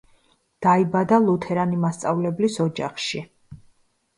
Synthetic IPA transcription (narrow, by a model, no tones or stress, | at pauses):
d̪̥aibad̪alˠut̪ʰɛɾanimast̪sʼavlɛblisɔd͡ʒa̰χʃi